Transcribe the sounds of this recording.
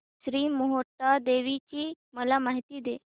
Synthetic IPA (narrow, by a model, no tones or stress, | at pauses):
ɕɾiːmoɦoɾʈad̪eʋit͡ɕiː | məlamaɦit̪iːd̪e